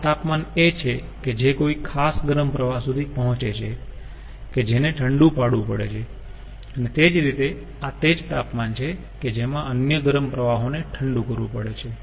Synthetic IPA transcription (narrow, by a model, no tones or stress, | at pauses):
t̪apmanet͡ʃʰe | ked͡ʒekoikʰasɡəɾəmpɾəʋaɦsud̪ʱipəɦɔ̃t͡ʃet͡ʃʰe | ked͡ʒeneʈʰəɳɖũpaɽʋũpəɽḛt͡ʃʰe | ənet̪ed͡ʒɾit̪e | at̪ed͡ʒt̪apmant͡ʃʰe | ked͡ʒemãənjəɡəɾəmpɾəʋaɦoneʈʰəɳɖũkəɾʋũpəɽet͡ʃʰe